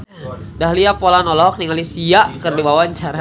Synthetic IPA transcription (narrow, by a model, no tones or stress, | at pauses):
daɦliapolanɔlɔɦɔk̚niŋalisiaʔkərdibawaɲt͡ʃaɾa